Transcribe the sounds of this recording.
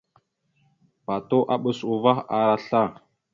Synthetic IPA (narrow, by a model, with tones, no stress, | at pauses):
pa˨to˦ʔa˦ɓə˨su˨va˦xa˨ɾa˦ɬa˦˨